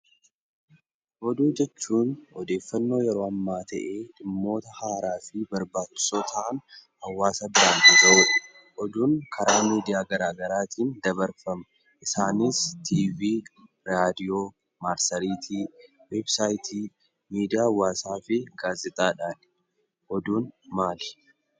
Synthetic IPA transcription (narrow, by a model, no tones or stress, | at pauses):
ʔɔd̪uːd͡ʒɛt͡ʃːuːnɔd̪e̞ːfːɐnːo̞ːjɛɾo̞ːɐmːaːt̪ʰɐʔeːᶑɪmːo̞ːt̪ɐhaːɾaːfɪbɐɾbaːt͡ʃːɪ̥soːt̪ʰɐʔɐnhɐwːaːsɐbɪɾaːnt̪ɪd̪ɐʊ | ʔɔd̪uːnkʰɐɾaːmiːd̪ɪjaːɡɐɾaːɡɐɾaːt̪iːnd̪ɐbɐɾfɐmɐ | ʔɪsaːnɪst̪ʰiːviː | ɾaːd̪ɪjo̞ː | maːɾsɐɾiːt̪ʰiː | websaːjt̪ʰiː | miːd̪ɪjaːwːaːsaːfɪɡaːzɪt̪ʼaːᶑaːn | ʔɔd̪uːnmaːlɪ̥